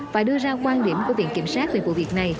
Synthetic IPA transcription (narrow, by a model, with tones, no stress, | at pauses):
faː˨˦jɗɨ˧əzaː˧kwaː˧nɗi˧˩əmku˧˩əvḭ˧˨ənki˧˩əmsaː˦˥t̚ve˨˩vṵ˧˩˦vi˨˩ək̚na˨˩j